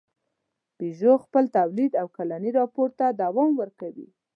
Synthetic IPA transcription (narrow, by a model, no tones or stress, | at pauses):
b̥iʒoxpəlt̪awlid̪awkalaniɾɑpoɾt̪ad̪awɑmwəɾkawḭ